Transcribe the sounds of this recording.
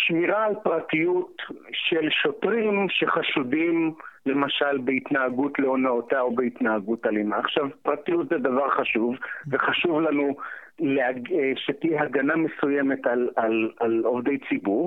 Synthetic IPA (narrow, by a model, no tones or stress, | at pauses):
ʃmiʁaːlpʁatijutʃelʃo̞tʁimʃeχaʃudimle̞maʃalbeit̪naaɡutleonaotaobeit̪naaɡutalimaːχʃavpʁatijutzed̪avaʁχaʃuvveχaʃuvlanuleaɡʃetiɦaɡanamesujeme̞talalalo̞vde̞jt͡sibuʁ